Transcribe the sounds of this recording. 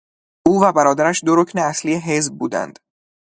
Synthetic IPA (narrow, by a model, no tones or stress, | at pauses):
ʔuːvæbæɾɒːd̪æɾæʃd̪o̞ɾocʰneæsliːeɦe̞zb̚buːd̪æ̰nd̪̥